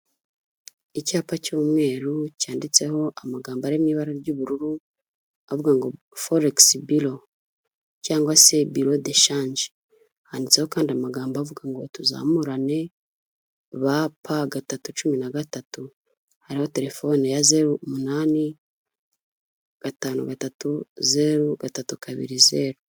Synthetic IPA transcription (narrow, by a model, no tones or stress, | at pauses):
icaːpacuːmŋe̞ːɾucaːndit͡se̞ho̞ʔamaɡaːmbaɾemɲiːβaɾaɾɟuːβuɾuɾu | avuɡaŋɡo̞ | foɾeksbilo | caːŋɡwase̞biɾodeʃaːnd͡ʒe | haːndit͡seho̞kaːndiamaɡaːmbavuɡaŋɡo̞tuza̰ːmuɾane̞ | βapʰaɡatatut͡ʃuminaɡatatu | haɾiho̞te̞ɾe̞fo̞nijaze̞ɾumunaːni | ɡ̥ataːnṵɡatatuze̞ɾuɡatatukʰaβḭɾize̞ɾu